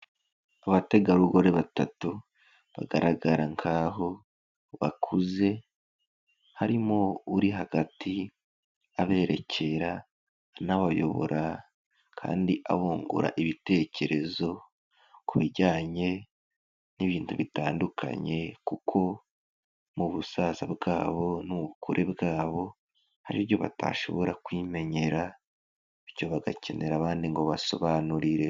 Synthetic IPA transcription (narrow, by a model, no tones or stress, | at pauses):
aβate̞ɡaɾuɡo̞ɾe̞βatatu | βa̰ɡaɾaɡaɾaŋkʰaːɦo̞ | βakʰuze̞ | haɾimouɾiɦaɡati | aβe̞ːɾe̞cʰe̞ɾa | naβajo̞̰βo̞̰ɾʔa | kʰa̰ːndiʔa̰huːŋɡṵɾa̰ʔiβite̞ːce̞ɾezo̞ | kuβiɾɟaːɲe̞ | niβiːntuβitaːndukʰa̰ɲe̞kukʰo̞ | muβusaːzabɡaːβo̞nuβukʰuɾʔebɡaːβo̞ | haɾiβjo̞βa̰ta̰ʃo̞̰βo̞ɾakwiːme̞ɲe̞ɾa | iɾɟo̞βaɡace̞̰ne̞ɾaβaːndiŋɡo̞βaso̞̰βaːnuɾiɾe̞